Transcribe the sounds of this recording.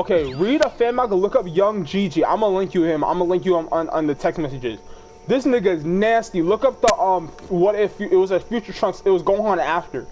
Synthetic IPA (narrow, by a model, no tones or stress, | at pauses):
oʊkʰeɪɹiɾəfæ̃nmaɪɡəlʊkʌp̚jʌ̃ŋd͡ʒid͡ʒiã̰ɪ̃məlɛ̃ŋkjɨɪ̃mã̰ɪ̃məlɛ̃ŋkjɨə̃mə̃nə̰̃nðɨtʰɛksmɛsɨd͡ʒɪz̥ | ðɪsnɪɡɨznæstilʊkʌp̚ðəʔʌ̃m | wʌɾɛfjɪt̚wʌzɨfjʉt͡ʃə˞tʰɹ̥ʌ̃ŋksɪt̚wʌzɡoʊɪ̃ŋə̃næftə˞